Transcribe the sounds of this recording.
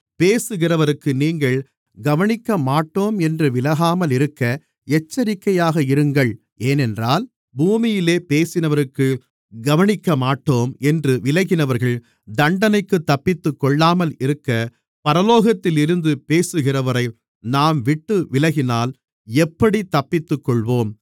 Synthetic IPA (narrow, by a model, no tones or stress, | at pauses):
peːsɯɣɪrɐʋɐɾɯkːɯniːŋɡɐɭ | ɡɐʋɐnɪkːɐmaːʈːoːmɛndrɯʋɪlɐɣaːmɐlɪɾɯkːɐ | ɛt͡ʃːɐɾɪkːɐjaːɣɐɪɾɯŋɡɐɭ | eːnɛndraːl | buːmɪjɪleːpeːsɪnɐʋɐɾɯkːɯ | ɡɐʋɐnɪkːɐmaːʈːoːmɛndrɯʋɪlɐɣɪnɐʋɐɾɣɐɭ | d̪ɐɳɖɐnɐɪkːɯt̪ːɐpːɪt̪ːɯkːɔɭːaːmɐlɪɾɯkːɐ | pɐɾɐloːɣɐt̪ːɪlɪɾɯnd̪ɯpeːsɯɣɪrɐʋɐɾɐɪ | naːmʋɪʈːɯʋɪlɐɣɪnaːl | ɛpːɐɽit̪ːɐpːɪt̪ːɯkːɔɭʋoːm